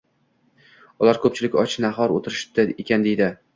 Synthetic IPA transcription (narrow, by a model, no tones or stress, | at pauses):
ʊlˠaɾkʰɵp̚t͡ʃʰɪlɪkʲɒt͡ʃʰɪnaɦɒɾot̪ʰɪɾɪʃt̪aekʲʰand̪e̞jd̪ɪ